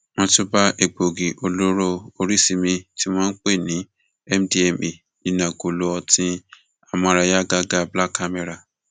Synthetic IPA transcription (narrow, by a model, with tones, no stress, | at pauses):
w̃ɔ̃˧tu˦ba˦ʔe˨ɡ͡bo˨ɡi˨ʔo˧lo˦ɾo˦o˧ɾi˦si˧mĩ˧ti˦w̃ɔ̃ː˦n̩˦k͡pe˦˨nĩ˨˦ | ɛ˦m̩˦di˦ɛ˧˨mi˨ | i˨nã˨ɡo˨lo˧˦ɔ˧tĩ˧˦ | a˨mɔ̃˧ɾa˧ja˦ɡa˦ɡa˦bla˦kːa˧me˧ɾa˨